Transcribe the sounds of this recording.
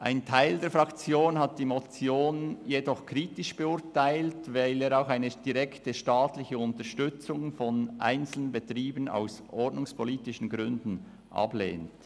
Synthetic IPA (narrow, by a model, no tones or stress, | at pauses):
ʔa̰ɪntʰaɪldeːɐfʁɑkt͡sjoːnɦɑt̚d̥iːmɔt͡sjoːnjedɔχkʰʁiːtɪʃb̥əʊɾtaɪltvaɪleːɾaʊxaɪnəd̥iʁɛktəʃtaːtlɪçəʊntəʃtʏt͡sʊŋfɔnʔa̰ɪnt͡sl̩ənbətʁiːbəna̰ʊsʔɔrdnʊŋspʰɔliːtɪʃn̩ɡʁʏndn̩ | ʔɑ̰blḛːnt